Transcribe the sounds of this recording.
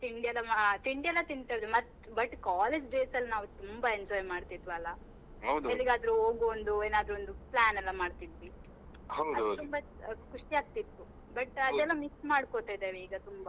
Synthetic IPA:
t̪iɳɖiɛlːɐmt̪iɳɖiɛlːɐt̪iɳt̪ɐd̪umɐt̪ː | bɐʈːkaːleːd͡ʒɖeːsɐlːnaːʋut̪umbɐeɲd͡ʒɔːjmaːɽt̪id̪ʋɐlːɐ | ɦɐwd̪elːiɡaːd̪ɐɾuɦoːɡuond̪ueːnaːd̪ɾuond̪uplaːnɛlːɐmaːɖt̪id̪ʋi | hɐwdɐd̪ut̪umbɐ | kuʂʈiaːɡ̚t̪it̪ːu | bɐʈɐd̪ɛlːɐmiksmaːɽkot̪aːjd̪eːʋeiːɡɐt̪umbɐ

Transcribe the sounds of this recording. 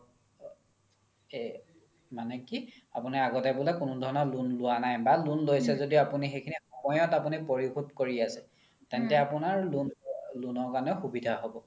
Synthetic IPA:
manɛki | apuniaɡɔtɛbʊlɛkʊnʊdʱɔɹɔnɔlunlʊanajbalunlojsɛzodiapunixejkʰinixɔmɔjɔtapunipoɹixudkoɹiasɛ | tɛntɛapunaɹlunlunɔɹkanɛxubidʱaɦobɔ

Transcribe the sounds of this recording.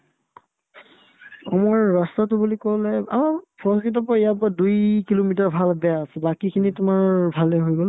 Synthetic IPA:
amɔɹːastatʊbulikolɛa̰mapʰɔɹɔskit̬ɔpaijap̬ɔadujkilomitaɹbʱalbɛaːsɛbakikʰinitʊmaɹbʱalɛɦojɡɔl

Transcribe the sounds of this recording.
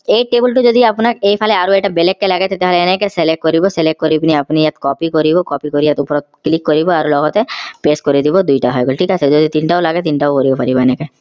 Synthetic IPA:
eːʈeːbəlʈud͡ʒoːd̪iɐpnaeːpʰaleaːɾueːʈabelekːelaɡet̪et̪eɦaːlenekeselek̚kɔɾiboseleʈ̚kːɔɾipniɐpnijat̪kɔːpikɔɾibokɔːpikoɾijat̪upɾoklɪkːɔɾiboaːɾulɔːɡɔt̪epeːskɔɾid̪ibod̪uiʈaɦoeɡolʈʰiːkased͡ʒoːd̪it̪iːnʈaolaɡet̪iːnʈaopoɾibopʰɐɾibaːneke

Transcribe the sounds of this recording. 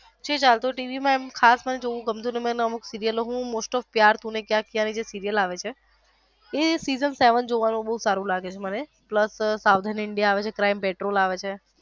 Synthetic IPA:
d͡ʒʰet͡ʃalt̪oʈiʋimãemkʰasməned͡ʒoʋũɡəmt̪ũneməneəmuksiɾijəloɦũmosʈɔfpjaɾt̪ũnekjãkijãnid͡ʒesiɾijəlaʋet͡ʃʰe | esizənseʋənd͡ʒoʋanũɓəɦusaɾũlaɡet͡ʃʰeməne | pləssaʋd̪ʱənɪɳɖijaːʋet͡ʃʰekɾaimpeʈɾolaʋet͡ʃʰe

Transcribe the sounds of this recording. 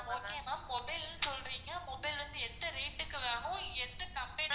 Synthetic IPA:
oːkːejɐmaːmɔbɐɪlsɔlɾiːŋɡɐmɔbɐɪlɾɐnd̪ɯɛnd̪ɐɾeːʈːɯkːɯʋaːɳʊ̃ɛndɐkɐmpeː

